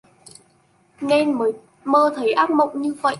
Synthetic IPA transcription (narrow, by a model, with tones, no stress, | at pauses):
ŋɛ˧nməː˨˦ | məː˧t̪ʰə˨˩˦jʔaː˦˥k̚mə̰˧˨wŋ͡mɲɨ˧və̰˧˨jʔ